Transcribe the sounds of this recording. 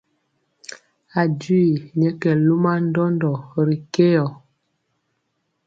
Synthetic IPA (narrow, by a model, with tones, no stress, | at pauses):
a˨ɟi˦˨ɲɛ˦kɛ˨lu˦ma˦n̩˦dɔ˦ndɔ˨ɾi˨ke˦ɔ˨